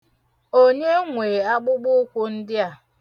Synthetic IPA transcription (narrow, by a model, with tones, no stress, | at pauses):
o˦ɲe˦ŋʷe˨a˦ɡ͡bʊ˦ɡ͡bʊ˦kʷu˦n̩˦dɪ˦a˨